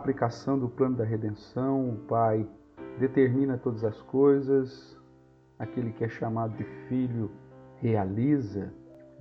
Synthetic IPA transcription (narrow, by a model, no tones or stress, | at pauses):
plikasɐ̃w̃d̪ʊplɐ̃nʊd̪ɐɦed̪ẽsɐ̃w̃ʊpaj | d̪et̪eɾmĩnɐt̪od̪ɐzɐskojzɐs | akelɪkɪɛʃamad̪ʊd̪ɪfiʎʊhealizɐ